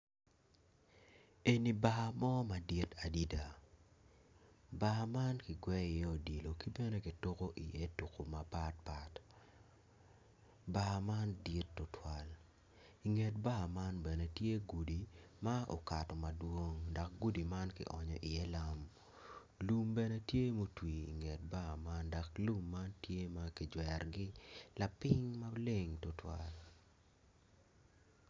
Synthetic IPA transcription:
e˨ni˨ba˦˨mɔ˦ma˨di˦ta˨di˦da˨ | ba˦ma˦nkɪ˨ɡwɛ˦ɪ˨jɛ˦o˨di˨lo˨ki˦bɛ˦ne˦kɪ˨to˦ko˦ʔḭ˨je˦tu˨ko˨ma˨pa˦t̚pa˨t | ba˦˨ma˦ndi˦tːʊ˨tʰwa˨l | i˨ŋe˨t̚ba˦˨ma˦nbɛ˨ne˨tje˦ɡu˨di˨ma˦ʔo̰˨ka˨tɔ˨mɐ˨dwo˦ŋda˨k̚ɡu˦di˨ma˦nkɪ̰˨ʔɔ˨ɲɔ̰˨ʔɪ˨jɛ˦la˦m | lu˦mbɛ˦nɛ˦tje˦mo˦twi˨ḭ˨ŋe˨t̚ba˨ma˦nda˨klu˦mːa˦ntje˦ma˦kɪ˨d͡ʒwɛ˨rɡɪ˦la˨pɪ˦ŋma˦le˦˨ŋtʊ˦twa̰˨l

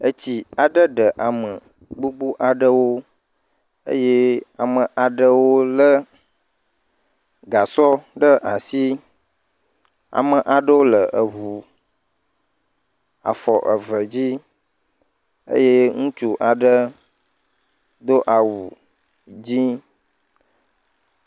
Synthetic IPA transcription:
ə˦t͡ɕi˨a˨ɖə˦ɖə˨ʔa˨mə˨ | ɡ͡bu˦ɡ͡bu˦ʔa˨ɖə˦wo˦ | ə̰˦je˦a˨mə˨ʔa˨ɖə˦wo˦lə˦ | ɡa˨sɔ˦ɖə˦ʔa˨si˦ | a̰˨mə˨ʔa˨ɖə˦wo˦lə˨ʔə˨vu˨ | a̰˨fɔ˨ʔə˨və˨d͡ʑi˦ | ə̰˦je˦ŋũ˦t͡ʃu˦ʔa˨ɖə˦ | d̪o˦ʔa˨wu˨ | d͡ʑi˦

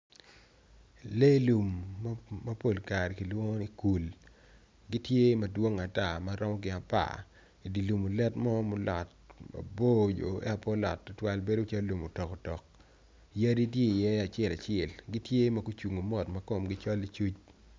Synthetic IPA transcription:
le˦lu˨m | mɐ˦po˨lka˨ɾki˨lwo˦ŋo˦i˦ku˨l | ɡi˦tje˦mɐ˨dwo˦ŋa˨ta˦˨ma˦ɾɔ˦mɔ˦ɡɪ˨a˨pa̰˦˨ | i˨di˨lu˨mo˨lɛ˦tmɔ˦mɔ˦la̰˨t̚ma̰˨bo˦d͡ʒo̰˨ḛ˦a˨pɔ˦la̰˨tːʊ˦twa˦lbe˦do˦t͡ʃa˦lu˨mo˨tɔ˨ko˨tɔ˨k̚ | ja˦di˦t̬je˦i˨jɛ˦a˨t͡ʃɪ˦ɛ˦˨la˨t͡ʃɛ˨lɡi˦tje˦mɐ˨ku˦t͡ʃu˨ŋo˨mɔ˨tmɐ˦ko˨mɡɪ˦t͡ʃɔ˦li˦t͡ʃu˦t͡ʃ

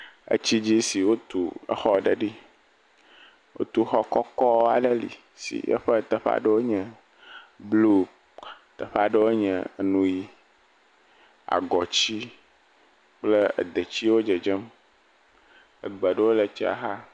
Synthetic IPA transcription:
ə̰˦t͡ɕi˦d͡ʑi˦si˨wo˦t̪u˨ə̰˦xɔ˦ɖə˨ɖi˦ | wʔo̰˦t̪u˨xɔ˦kɔ˦kɔ˦a̰˨ɖə˦lḭ˨ | sḭ˨jə̰˦ɸə˦t̪ə˨ɸa̰˦ɖə˦wo˦ɲɛ̃˨ | blu˦ | t̪ə˨ɸa˦ɖə˦wo˦ɲɛ̰̃˨nũ˦ji˦ | a̰˨ɡɔ˨t͡ɕi˦ | k͡plə˦ə̰˨d̪ə˨t͡ɕi˦wo˦d͡ʒə˨d͡ʒə˦m | ə̰˨ɡ͡bə˨ɖə˦wo˦lə˨t͡ʃi˦a̰˨ɦa˦

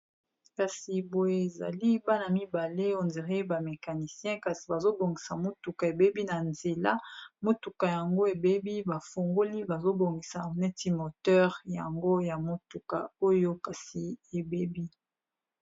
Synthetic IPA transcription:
ka˨si˨bo˨e˨e˨za̰˨li˦ba˦na˨mi˦ba˨le˦o˨nze˨ʁe˦ba˨me˨ka˨ni˨sjɛ̃˦ka˨si˨ba˨zo˦bo˨ŋɡi˨sa˨mo˦tu˨ka˨e˨be˦bi˦na˨nze˨la˦mo˦tu˨ka˨ja˨ŋɡo˦e˨be˦bi˦ba˨fo˨ŋɡo˦li˦ba˨zo˦bo˨ŋɡi˨sa˨mɛ˦ti˦mo˨tɛ˦ʁja˨ŋɡo˦ja˨mo˨tu˨ka̰˨o˦jo˦ka˨si˨e˨be˦bi˦

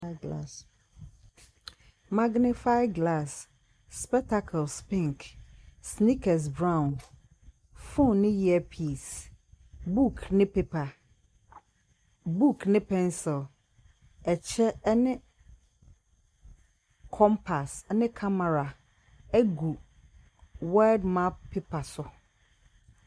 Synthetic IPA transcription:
ɡla˦˨s | ma˦ɡnɪ˦fa˦ɪɡla˦˨sː | pɛ˦k̚tʰa˦kʰɛ˨lspɪ̃˦ŋksni˦kʰɛ˨s̬bɾã˦˨ʊ̃˨n | fõ˦˨nːɪ̃˦ji˦ɛ˦pʰi˦˨s | bu˦kʰnɪ̃˦pʰe˦pʰa˨ | bu˦kʰnɪ̃˦pʰɛ̃˦nsɪ˨l | ɛ˨t͡ɕʰɛ˦nɪ̃˦ | kʰɔ̃˦mpʰa˨snɪ̃˦kʰa˦mɛ˨ɾa˨ | ɛ˦ɡu˨ | wa˦ldmã˦pʰːe˦pʰa˨sʊ˨

